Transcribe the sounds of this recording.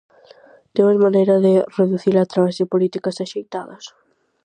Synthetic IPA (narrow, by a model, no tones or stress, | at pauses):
d̪̥ewɛzmanejɾɐðɪreðuθilat̪ɾaβesðɪpolit̪ikɐsaʃejt̪aðɐs